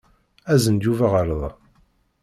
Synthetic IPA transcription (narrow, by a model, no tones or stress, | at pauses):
æzənd̪uvaʁəɾˤðˤ